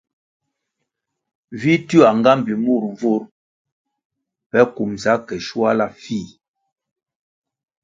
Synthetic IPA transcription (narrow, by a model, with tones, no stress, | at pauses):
vi˦tu˦a˨ŋɡa˦m˨bi˨mu˦˨ɾɱ˨vo˦ɾ | pɛ˦ku˨mza˨˦kɛ˨ʃu˦a˦la˦˨fi˦˨